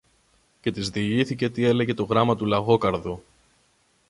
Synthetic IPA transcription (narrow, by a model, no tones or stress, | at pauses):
ce̞t̪izðiʝiθice̞t̪ie̞le̞ʝe̞t̪o̞ɣɾɐmɐt̪ulɐɣo̞kɐɾðu